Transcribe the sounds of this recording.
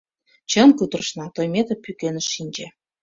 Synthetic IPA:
t͡ɕə̆nkut̪rə̆ʃnɑt̪ojmet̪ə̆pːykenə̆ʃːinʲd͡ʑĕ

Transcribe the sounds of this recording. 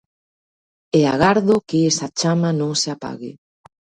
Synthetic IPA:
eaɣaɾðokeesat͡ʃamanõŋseapa̰ɣɪ̰

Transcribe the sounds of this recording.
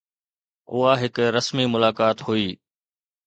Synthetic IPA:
ʊ̰ɦaɦɪkɾəsmimʊlaːkaːt̪ɦuiː

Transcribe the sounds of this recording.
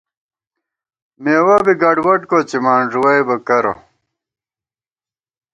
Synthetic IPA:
meːwɐbiɡɐɖwɐʈkot͡ɕimaːɳʐuwɐjbɐkɐɾo̰

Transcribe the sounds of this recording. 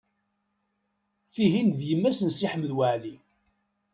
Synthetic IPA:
θiɦinðjəmːæsənsiħəmːəðwəʕli

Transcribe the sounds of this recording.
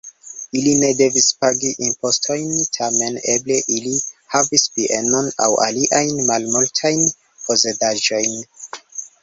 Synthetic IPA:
iline̞de̞vispaɡiʔimpo̞stʰo̞jntʰame̞ne̞ble̞ʔilihavispiʔe̞no̞na̰wʔa̰liʔajnmalmultʰajn | po̞zedaʒo̞jn

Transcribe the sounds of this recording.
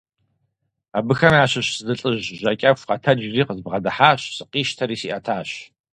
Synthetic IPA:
abɨxɐmaːɕɪɕsɨdɨɬʼɨʑʒʷɐkʲʼɐfʷqɐtʰɐd͡ʒriːqəzbʁɐdɐħaːɕsɨqiːʃtʰɐɾiːsḭʔɐtʰaːɕ

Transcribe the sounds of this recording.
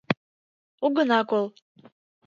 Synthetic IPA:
uɡənɑkolˠ

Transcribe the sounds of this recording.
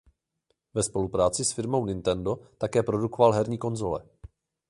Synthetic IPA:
vɛspo̞lupɾaːt͡sɪsfɪɾmo̞wnɪnt̪ɛndo̞t̪akɛːpɾo̞duko̞valɦɛɾɲiːko̞nzo̞lɛ̰

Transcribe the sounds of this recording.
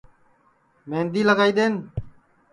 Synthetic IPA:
mẽːnd̪iːləɡaːiːd̪eːn

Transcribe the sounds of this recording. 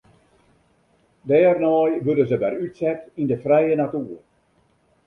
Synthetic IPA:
dɛːrnɔːjʋødənzəbɛɾytsɛtindəfrɛjənatuːər

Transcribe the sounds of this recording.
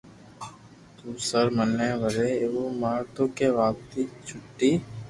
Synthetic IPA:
t̪uːsəɾmənːeːʋəɾeːeʋoːmaːɾt̪okeʋaːp̚t̪it͡ʃʰʊʈːiː

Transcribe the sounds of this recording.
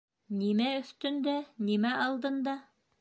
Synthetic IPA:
nimæɵ̆θt̪ɵ̆nd̪ænimæʔɑlˠd̪ɤ̆nd̪ɑ

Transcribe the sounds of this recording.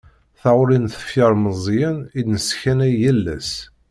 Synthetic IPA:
θaʊɾinθə̥fjəɾˤməzˤjænid̪nəsçænæjːælːæ̰s

